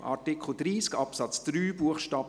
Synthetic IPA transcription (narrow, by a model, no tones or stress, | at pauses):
a̰ɾtikχl̩dɾiːskɑpsɑt͡sd̥ɾyːbuəχʃtɑːb